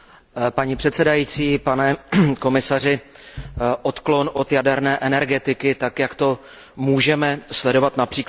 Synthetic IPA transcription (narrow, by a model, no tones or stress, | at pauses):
paɲipr̥ɛt̪sɛdajiːt͡siːpanɛko̞mɪsar̝ɪ | ʔo̞t̪klo̞nʔo̞t̪jadɛɾnɛːʔɛnɛɾɡɛt̪ɪkɪt̪akjakt̪o̞ | muːʒɛmɛslɛdo̞vat̪napr̥iːk